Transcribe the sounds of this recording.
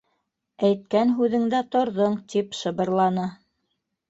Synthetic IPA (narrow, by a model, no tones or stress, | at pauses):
æjt̪̚kænɦʉðɘ̆ŋd̪æt̪ŏɾðoɴt̪ipʃɤ̆βɤ̆ɾlˠɑnɤ